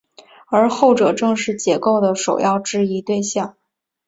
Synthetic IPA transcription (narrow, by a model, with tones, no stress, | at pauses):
ə˞˧˥xo˥˩ʊʈ͡ʂɤ˨˩ʈ͡ʂɤ˥˧ŋʂɻ̩˥˩t͡ɕjɛ˧˥ko˥˩ʊd̪ə˩ʂo˨˩ʊjɑ˥˧ʊʈ͡ʂɻ̩˥˧i˧˥t̪we˥˧ɪɕjɑ˥˩ŋ